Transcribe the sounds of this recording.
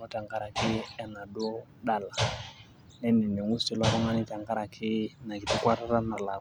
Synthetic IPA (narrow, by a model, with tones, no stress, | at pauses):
nɔ˦ta˨ŋɡa˦ɾa˨kɪ˦ɛ˦na˨ɗʊ˦ | ɗa˦la˨ | nɛ˦nɛ˨nɔ˨ŋu˦sti˨la˦ɾɔ˦ŋa˦nɪ˦ta˨ŋɡa˦ɾa˨kʰɪ˦na˨kɪ˨tɪ˦kwa˦ɾa˦ɾa˦na˨la˨